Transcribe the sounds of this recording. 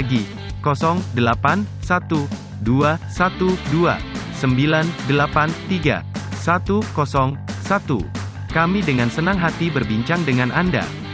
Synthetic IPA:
ɡi | kɔsɔŋdəlapansat̪u | duasat̪udua̰səmbilandəlapant̪iɡa̰sat̪ukɔsɔŋsat̪ṵ | kamidəŋansənaŋɦat̪ibərbiɲt͡ʃaŋdəŋanʔanda̰

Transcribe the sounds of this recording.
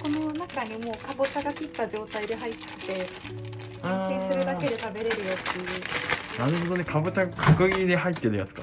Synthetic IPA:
ko̞no̞nakaɲ̟imo̞ːkabo̞t͡ɕaɡakʲit̪ːaʑo̞ːt̪aid̪e̞ɦait̪ːe̥t̪e̞ | hãɕĩsɨɾɯ̟d̪ake̞d̪e̞t̪abe̞ɾe̞ɾɯ̟jot̪ːejɯ̟naɾɯ̟ɦod̪o̞ne̞kʰabot͡ɕaɡakʰakɯ̟ɡʲid̪eɦait̪ːe̞ɾɯ̟ja̰t͡sɨ̥ka

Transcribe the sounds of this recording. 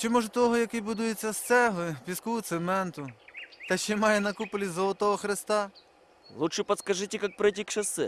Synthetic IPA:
t͡ʃɪmɔʒɐt̪ɔɦɔjɐkɪjbʊd̪ujet͡sʲːɐst̪sɛɦlˠɪpʲiskuʊt̪semɛnt̪ʊt̪ɐʃt͡ʃɛmɑjɛnɐkupʊlʲizɔlˠɔt̪ɔɦɔxɾɪst̪ɑ | lˠutʂɛpɐt̪skɐʐɪtʲɪkak̚pɾɪjtʲikt͡ʃɐsɛ

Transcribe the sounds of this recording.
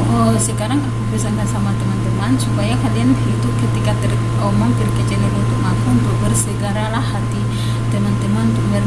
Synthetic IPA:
əsəkaɾaŋkəkubəsaŋɡansamat̪əmant̪əmansupajakadianit̪ukət̪ikat̪ər | omaŋpərkət͡ʃələɾunt̪ʊk̚mapʊnbəbərsəɡaɾalahːat̪i | t̪əmant̪əmanunt̪uk̚bər

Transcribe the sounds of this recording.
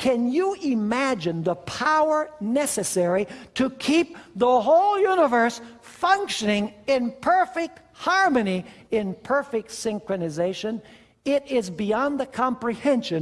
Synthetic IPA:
kʰɨ̃njəɪmæd͡ʒɨ̃nðəpʰaʊə˞nɛsɨsɛɹiɾɨkʰip̚ðəɦoʊlˠjʉnəvə˞sfʌ̃ŋkʃɨnɪ̃ŋɪ̃npʰɜ˞fɪk̚t̚hɑɹmɨniɪ̃npʰɜ˞fɪk̚tsɪ̃ŋkɹɨnɨzeɪʃɨ̃n | ɪɾɪzbiɑ̃nðɨkʰɑ̃mpɹihɛ̃nʃɨ̃n

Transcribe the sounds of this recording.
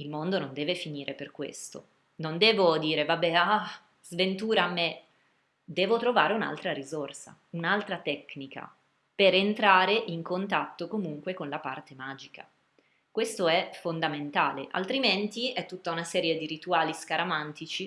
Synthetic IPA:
ilmond̪onond̪ɛːvefiniːɾʔeperkwḛst̪o̰ | nond̪ɛːvod̪iːɾevabːɛa | zvent̪uːɾaːmːe | d̪ɛːvot̪ɾovaːɾeuna̰lt̪ɾaɾizorsa̰ | unalt̪ɾat̪ɛkːnika̰ | peɾent̪ɾaːɾeʔiŋkont̪at̪ːokomuŋkwekonlapart̪emaːd͡ʒika̰ | kwest̪oɛfond̪ament̪aːleʔa̰lt̪ɾiment̪iɛt̪ːut̪ːaunasɛːɾjed̪iɾit̪uaːliskaɾamant̪it͡ʃi

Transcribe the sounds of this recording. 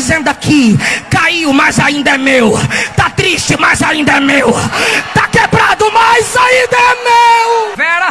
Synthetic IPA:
zẽnd̪ʊakʰikaiʊmajzaĩnd̪ɐɛmewɐt̪at̪ɾiʃt͡ʃɪmazaĩnd̪ɐɛmewɐt̪akebɾad̪ʊmajzaĩd̪ɐɛmewɛ

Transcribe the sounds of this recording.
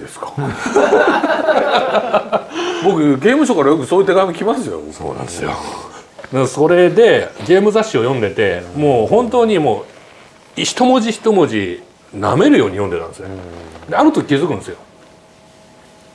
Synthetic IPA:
d̪esɨ̥kḁ | bo̞kɯ̟ɡe̞ːmɯ̟ɕo̞kaɾajo̞kɯ̟soːjɯ̟t̪e̞ɡaimokʲimasɨjo̰so̞̰ːnã̰nd̪esɨjo̰ | d̪anso̞ɾe̞d̪e̞ɡe̞ːmɯ̟zaɕːio̞jõ̞nd̪e̞t̪e̞moːɦõ̞nt̪̬o̞ːɲ̟imo̞ː | iɕi̥t̪o̞mo̞ʑiçi̥t̪o̞mo̞ʑi | na̰me̞ɾɯ̟jo̞ːɲ̟ijõnd̪e̞t̪ã̰nd̪esɨnd̪eaɾɯ̟t̪okʲizɨkɯ̟̃nsɨjo̞

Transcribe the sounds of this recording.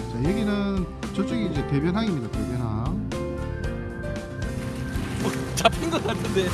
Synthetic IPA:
t͡ɕajeɡinɯnt͡ɕʌɭt͡ɕ͈eɡiːd͡ʑe̞te̞bjʌnɦaŋimɲidate̞bjʌnɦaŋ | ot͡ɕapʰinɡʌtapʰɯnde

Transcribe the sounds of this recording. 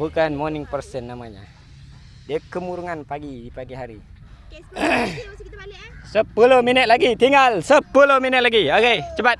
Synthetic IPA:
bukanmonɪŋpərsənːamaɲa̰ | diakəmuɾuŋanpaɡidipaɡiɦaɾi | səpulʊhminət̪̚laɡit̪iŋɡalsəpulʊhminət̪̚laɡioket͡ʃəbat̪̚

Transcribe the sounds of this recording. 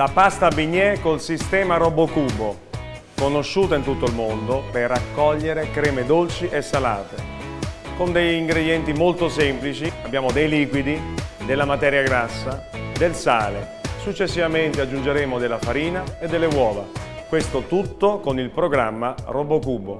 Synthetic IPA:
lapast̪abiɲːɛkolsist̪ɛːmaɾɔbokuːbo | konoʃːuːt̪aint̪ut̪ːoilmond̪operakːɔʎːeɾekɾɛːmed̪olt͡ʃiʔesːala̰ːt̪e | kond̪eʎːiŋɡɾed̪jɛnt̪imolt̪osɛmplit͡ʃiabːjaːmod̪ejliːkwid̪id̪elːamat̪ɛːɾjaɡɾasːad̪elsaːlḛ | sut͡ʃːesːivament̪ead͡ʒːund͡ʒeɾɛːmod̪elːafaɾiːnaed̪ːelːewɔːva̰kwest̪ot̪ut̪ːokonilpɾoɡɾamːarɔbokuːbo̰

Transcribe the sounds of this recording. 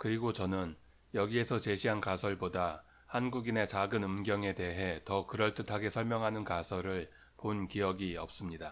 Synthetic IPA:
kɯɾiɡot͡ɕʌnɯn | jʌɡie̞sʰʌt͡ɕe̞ɕʰiɦankasʰʌɭboda | hanɡuɡine̞t͡ɕaɡɯnɯmɡjʌŋe̞de̞ɦe̞tʌkɯɾʌɭt͈ɯtʰaɡe̞sʰʌɭmjʌŋɦanɯnkasʰʌɾɯɭ | ponkijʌɡiʌ̰p̚s͈ɯmɲida

